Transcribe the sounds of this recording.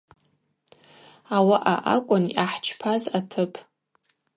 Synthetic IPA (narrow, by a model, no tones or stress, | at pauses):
awaʔaʔa̰kʷʼʊnʔaħt͡ʃʰpʰazatʰɨpʼʰ